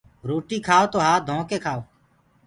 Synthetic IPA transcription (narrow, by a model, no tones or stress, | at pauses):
ɾoːʈiːkʰaːoːt̪oːɦaːd̪ʱõːkeːkʰaːoː